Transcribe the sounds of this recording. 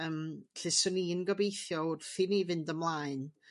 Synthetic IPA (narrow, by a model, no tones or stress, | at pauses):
əmɬɪsʊniənɡɔbejθjɔʊrθɪnivɪndəmlˠaɨn